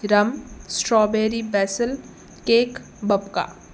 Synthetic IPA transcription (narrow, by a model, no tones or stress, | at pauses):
ɾɐmsʈɾɔːbeːɾibɛːsəl | keːk | bɐbka̰ː